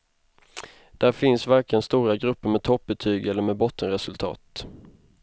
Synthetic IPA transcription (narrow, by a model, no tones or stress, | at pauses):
d̪̥æɾfɪnsvæɾkɪənst̪uːɾaɡɾɵpːəɾmɛt̪ʰɔp̚bɛt̪ʰyːɡɛlːəɾmɛːd̪bɔt̪ʰːənɾɛsɵlt̪ʰɑ̰ːt̪